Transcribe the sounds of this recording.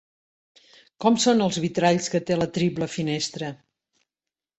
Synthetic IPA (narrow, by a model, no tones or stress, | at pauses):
kɔmsonəlˠzβit̪ɾaʎskət̪elət̪ɾipləfinest̪ɾə